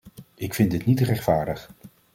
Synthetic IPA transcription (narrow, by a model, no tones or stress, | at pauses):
ɪkfɪndɪtnitrɛχtfaːɹdəχ